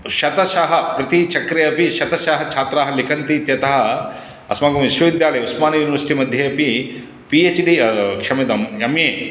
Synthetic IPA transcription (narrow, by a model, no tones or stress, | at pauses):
ʃɐt̪ɐʃaɦɐpɾɐt̪it͡ʃɐkɾɐjɐpiʃɐt̪ɐʃaːɦɐt͡ʃʰaːt̪ɾaːɦɐlikɐnt̪it̪jɐt̪ɐɦɐ | ɐ̰smaːɡɐmʋiʃʋɐʋid̪jaːlɐjɐusmaːnɐjuːniʋɐɾsi̥ʈimɐd̪ʱjɐɐpi | pieːt͡ʃɖikʂɐmɐd̪ɐmjɐmjeː